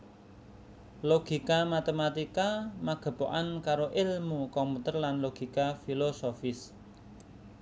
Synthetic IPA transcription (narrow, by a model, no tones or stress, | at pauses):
loɡ̥i̤kamat̪emat̪ikamaɡ̥ə̤po̰ʔankaɾoʔɪlmukɔmput̪ərlanloɡ̥i̤kafilosofɪs